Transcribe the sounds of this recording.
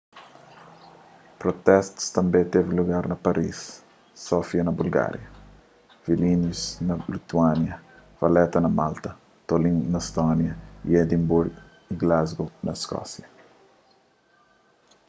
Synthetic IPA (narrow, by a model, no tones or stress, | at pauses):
pɾot̪ɛst̪u̥st̪ɐ̃mbẽt̪eviluɡaɾnɐpɐɾʔisː | ɔfiɐnɐbulɡa̰ɾjɐ | vilĩnusnɐlit̪uanjɐ | vɐlɛt̪ɐnɐmalt̪ɐ | t̪olĩŋnɐst̪ɔnjɐḭed̪imbuɾɡ | iɡlazɡonɐskɔ̰sjɐ